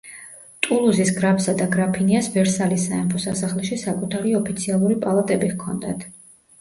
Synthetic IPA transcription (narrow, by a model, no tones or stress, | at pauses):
t̪ʼulˠuzisɡɾapʰsad̪aɡɾapʰiniasvɛɾsalisːaɛmpʰɔsasaχlɛʃisakʼut̪ʰaɾiɔpʰit̪sʰialˠuɾipʼalˠat̪ʼɛbiɣkʰɔ̰nd̪at̪ʰ